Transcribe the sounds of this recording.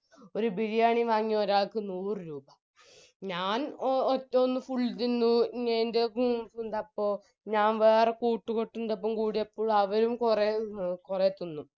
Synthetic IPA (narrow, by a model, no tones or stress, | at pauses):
o̞ɾubiɻijaːɳiʋaːŋːioɾaːɭkɨnuːrɨɾuːbɐ | ɲaːnotːomonːɨfuɭːt̪inːuɲeːndeɡuːund̪ɐpːo̞ː | ɲaːnʋeːrekuːʈːukoʈːund̪ɐp̬ːoːmkuːɽijɐpːoːɭɐʋɐɾumkurekuret̪ːunːu